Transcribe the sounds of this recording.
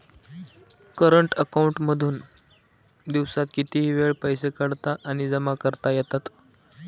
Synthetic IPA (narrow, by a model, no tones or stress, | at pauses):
kəɾəɳʈəkauɳʈməd̪ʱuːn | d̪iʋsat̪kit̪iɦiːʋeɭpəjsekəɽt̪aʔaɽ̃id͡zəmakəɾt̪ajɛt̪at̪